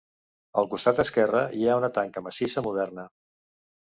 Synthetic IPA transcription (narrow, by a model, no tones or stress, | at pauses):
əlˠkust̪at̪̚d̪əskɛrəiaunət̪aŋkəməsisəmuð̞ɛrnə